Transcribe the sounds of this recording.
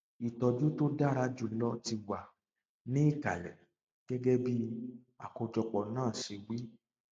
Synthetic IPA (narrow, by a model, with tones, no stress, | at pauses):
i˨tɔ˧d͡ʒu˦to˦da˦˨ɾa˧˦d͡ʒu˧lɔ˦ti˧wa˨ | nĩ˦i˦˨ka̰˨lɛ̰˨ | ɡ̥ɛ˦ɡɛ˦bi˦ | a̰˨ko˧d͡ʒɔ˧k͡pɔ˨nãː˦˨ʃe˧wi˦